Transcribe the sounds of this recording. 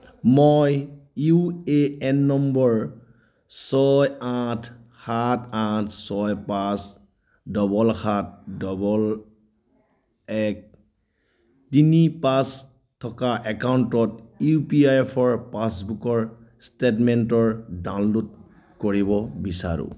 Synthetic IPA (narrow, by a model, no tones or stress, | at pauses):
mojueɛnːɔmbɔɹ | sɔjatʰ | xatʰãtʰsɔjpas | dɔbɔlxat̚dɔbɔl | ɛk̚ | tinipas | tʰːɔkaʔɛkawntɔtjupiajɛpʰɔɹpasbukɔɹ | stetmɛntɔɹdãnlod | koɹibɔbisa̰ɹṵ̃